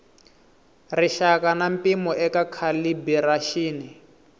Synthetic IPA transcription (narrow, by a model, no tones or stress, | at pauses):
riʃakanampimɔʔɛkakʰalibɛɾaʃiːni